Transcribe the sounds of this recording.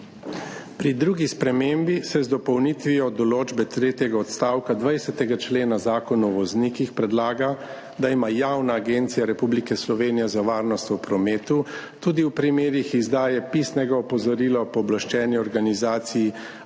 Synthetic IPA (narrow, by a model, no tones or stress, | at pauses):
pɾid̪ɾuːɡispɾɛmembisɛzd̪ɔpɔwnit̪ʋijɔd̪ɔloːd͡ʒbɛt̪ɾeːt̪jɛɡaɔt̪st̪aːwkad̪ʋajsɛt̪ɛɡat͡ʃleːnazaːkɔnɔʋɔznikixpɾɛd̪laːɡa | d̪aimaːjaːwnaːɡent̪sijaɾɛpublikɛslɔʋeːnijɛzaʋaːɾnɔst̪ɔpɾɔmeːt̪u | t̪uːd̪iwpɾimeːɾixizd̪aːjɛpisnɛɡaɔpɔzɔɾiːlapɔɔblaʃt͡ʃɛːniɔɾɡanizaːt̪siji